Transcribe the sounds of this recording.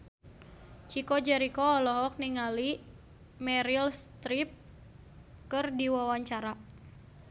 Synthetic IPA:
t͡ʃikɔd͡ʒɛɾikɔːlɔɦɔk̚niŋali | mɛɾilst̪ɾip̚ | kɨrdiwawaɲt͡ʃaɾa

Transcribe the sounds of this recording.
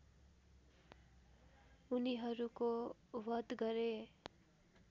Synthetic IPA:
uniɦʌɾukowʌd̪ɡʌɾe

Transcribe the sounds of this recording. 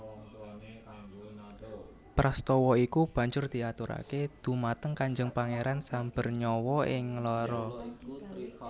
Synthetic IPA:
pɾast̪ɔwɔikub̥ä̤ɲd͡ʒʊrd̪̥i̤at̪uɾa̰ked̪̥ṳmat̪əŋkaɲd͡ʒəŋpaŋeɾansamb̥ə̤rɲɔwɔɪŋlɔɾɔ

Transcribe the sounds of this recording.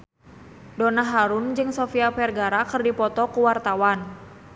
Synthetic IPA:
donaɦaɾund͡ʒɨŋsɔfiapɛrɡaɾakɨrdipɔt̪ɔkuwart̪awan

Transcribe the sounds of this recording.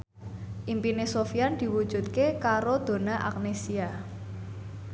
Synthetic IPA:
ʔimpinesofiand̪̥i̤wud̥ʒ̥ṳt̪̚kekaɾod̪̥o̤naʔa̰k̚nesia

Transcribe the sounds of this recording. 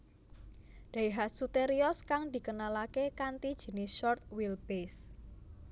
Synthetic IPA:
d̪̥aiɦat̪̚sut̪eɾiɔskaŋd̪̥i̤kənalakekant̪id̥ʒ̥ə̤nɪsʃɔrt̪̚wilb̥es

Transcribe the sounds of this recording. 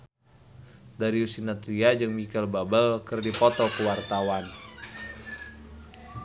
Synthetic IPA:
daɾiusinat̪ɾiad͡ʒɨŋmikəlbabəlkərdipɔt̪ɔkəwart̪awan

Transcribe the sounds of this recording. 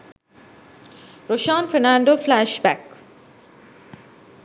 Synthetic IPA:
ɾoːʃãːnfɛɾnãːɳɖoːflæʃbæk

